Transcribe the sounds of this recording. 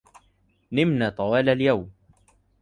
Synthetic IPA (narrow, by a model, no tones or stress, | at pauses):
nɪmnaːt̪ˤɑwaːlaljawm